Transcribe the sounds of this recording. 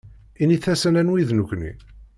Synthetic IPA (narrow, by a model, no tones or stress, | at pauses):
iniθæsənænwiðnukʷːnḭ